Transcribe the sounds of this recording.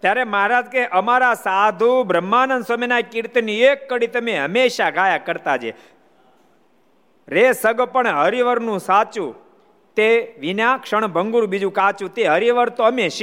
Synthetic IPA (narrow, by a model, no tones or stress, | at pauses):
t̪jaɾeməɦaɾaːd͡ʒkeʔəmaɾasad̪ʱubɾəmːanənsəmenakiɾt̪niekːəɽit̪əmeɦəmeʃaɡʱajakəɾt̪ad͡ʒḛ | ɾesəɡpəɳɦəɾiʋəɾnũsat͡ʃũ | t̪eʋinakʂəɳbʱəŋɡuɾbid͡ʒũkat͡ʃũt̪eɦəɾiʋəɾt̪oəmeʃ